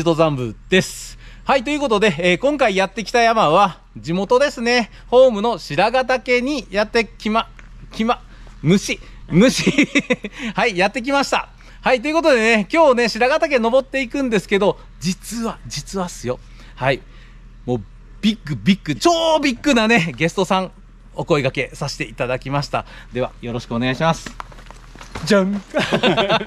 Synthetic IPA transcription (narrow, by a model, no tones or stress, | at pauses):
t̪o̞zãmbɯ̟̰d̪̥e̞sɨ̥ | hait̪o̞jɯ̟ko̞t̪o̞d̪e̞ːkõ̞ŋkaijat̪ːe̞kʲi̥t̪ajamaβ̞a | d͡ʑimo̞t̪o̞d̪e̞sɨne̞ | ho̞ːmɯ̟no̞ɕiɾaɡat̪ake̞ɲ̟ijat̪ːe̞kʲima | kʲima | mɯ̟ɕimɯ̟ɕi | haijat̪ːe̞k̬ʲimaɕi̥t̪a̰ | hait̪̬o̞iɯ̟ko̞t̪o̞d̪e̞ne̞kʲo̞ːne̞ɕiɾaɡat̪ak̬e̞no̞bo̞t̪ːe̞ikɯ̟̃nd̪e̞sɨ̥ke̞d̪o̞ | d͡ʑit͡sɨβad͡ʑit͡sɨβasɨjo̞ | hai | mo̞ː | b̥ʲikːɯ̟bʲikːɯ̟t͡ɕo̞ːbʲikːɯnane̞ɡe̞sɨ̥t̪o̞sãŋ | o̞ko̞iɡake̞saɕi̥t̪e̞ʔit̪ad̪akʲimaɕi̥t̪a̰d̪e̞β̞a̰jo̞ɾo̞ɕi̥kɯoneaiɕimasɨ̥